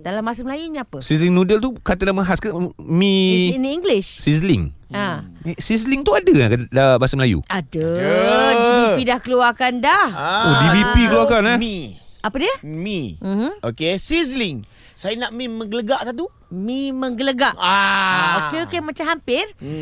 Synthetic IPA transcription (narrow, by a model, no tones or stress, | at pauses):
dalamːasəməlajuɲiapəsisliŋnudəlt̪ukat̪ədahməɦaskəmĩiŋɡliʃsis̬lɪŋamisis̬liŋt̪uadəakadamasəməlajṵadə | dibipidahkəluakandahodibipikəluakanamiapədiəmim̩hm̩okesisliŋ | sajanaʔmiməŋɡələɡaʔsat̪̬u | miməŋɡələɡaʔaokeokemat͡ʃamɦampɪr